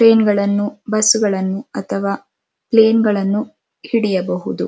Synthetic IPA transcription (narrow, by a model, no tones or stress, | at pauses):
ʈɾeːnɡɐɭɐnːubɐsːuɡɐɭɐnːuɐt̪ʰɐʋaː | pleːnɡɐɭɐnːu | hiɽijɐbɐɦud̪u